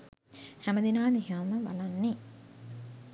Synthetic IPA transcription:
hæməd̪inaːd̪iɦaməba̰lanːe

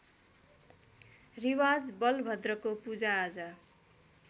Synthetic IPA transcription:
riwad͡zbʌlbʱʌd̪rʌkopud͡zaːd͡zʌ

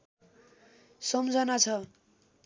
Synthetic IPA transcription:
sʌmd͡zʌnat͡sʰʌ

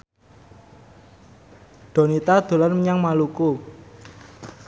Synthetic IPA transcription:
ɖ̪̥o̤nit̪ad̪̥o̤lanmɲaŋmaluku

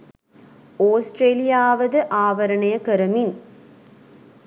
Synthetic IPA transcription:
oːsʈɾeːlɪjaːʋɐðɯʔaːʋɐɾɐɳɐjɐkɐɾɐmin

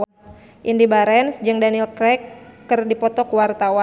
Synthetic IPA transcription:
ʔindibaɾɛnsd͡ʒɨŋdanilkɾɛkːɨrdipɔt̪ɔkuwart̪awa

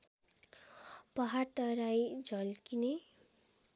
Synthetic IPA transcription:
pʌɦart̪ʌɾajd͡zʌlkine

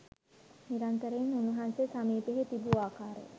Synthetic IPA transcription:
niɾant̪əɾenunuɦansesamiːpeɦet̪ibuaːkaːɾḛ

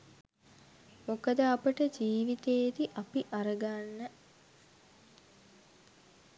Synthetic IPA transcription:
mokəd̪əapəʈəd͡ʒiːʋit̪eːd̪iʔapiʔaɾəɡanːə

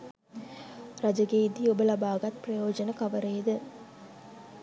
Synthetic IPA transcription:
ɾɐd͡ʒɐɡeːid̪iobɐlɐbaːɡɐt̪̚prɐjoːd͡ʒɐnɐkɐʋɐɾejd̪ɨ

